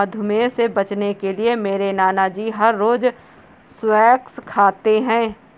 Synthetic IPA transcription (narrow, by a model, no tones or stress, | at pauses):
ɐd̪ʱʊmẽsebɐt͡ʃnekeliemeːɾenaːnad͡ʒiːɦɐɾːoːd͡ʒ | swɛːkskʰaːt̪eɦɛ̃ː